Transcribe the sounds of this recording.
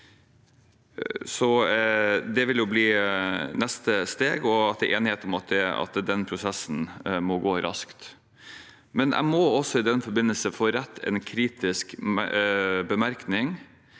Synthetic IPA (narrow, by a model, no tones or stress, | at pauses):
sɔ | d̪ɛʋɪljʊbliːnɛst̪əst̪eːɡɔɑt̪̚d̪ɛʔeːnɪheːt̪ɔmɑt̪̚d̪ɛɑ̰t̪d̪ɛnpʰɾʊsɛsn̩mɔɡoːɾʔɑ̰skt̪ | mɛnʔæ̰ɪmɔɔsɔɪd̪ɛnfɔɾbɪnəlsəfoːɾɛt̪ʰːɛ̰nkʰɾiːt̪ɪskmbəmæɾknɪŋ